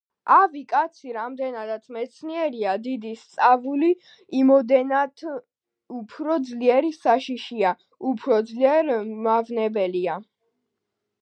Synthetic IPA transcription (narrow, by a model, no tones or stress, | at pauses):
ʔavikʼat̪sʰiɾamd̪ɛnad̪at̪sʰmɛt̪sʰniɛɾiad̪id̪ist̪sʼavuli | imɔd̪ɛnat̪ | upʰɾɔd̪zliɛɾisaʃiʃia | upʰɾɔd̪zliɛɾmavnɛbɛlia